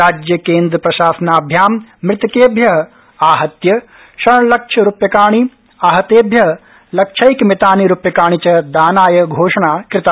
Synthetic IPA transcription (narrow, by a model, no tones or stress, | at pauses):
aːd͡ʒjɐkeːnd̪ɾɐpɾɐʃaːsɐnaːbʱjaːmːɾɪt̪ɐkeːbʱjɐɦɐ̆ | aːɦɐt̪jɐ | ʃɐlɐk̚ʂʰɐɾupjɐkaːɳ̃i | aːɦɐt̪eːbʱjɐɦɐ | lɐk̚t͡ʃʰɐjkmɪt̪aːniɾupjɐkaːɳ̃it͡ʃɐd̪aːnaːjɐɡʱoːʂɐɳaːkɾɪt̪a